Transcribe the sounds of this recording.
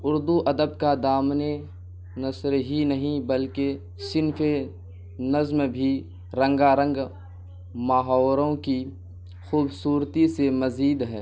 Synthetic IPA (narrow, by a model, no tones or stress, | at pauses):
ʊɾd̪uʔɐd̪əbkad̪aːmne | nɐsɾɦinɐɦĩbəlke | sɪnfe | nɐzmbʱi | ɾə̃ŋɡaɾə̃ŋɡ | maːɦɔːɾõki | xuːbsuːɾt̪isemɐziːd̪ɦɛː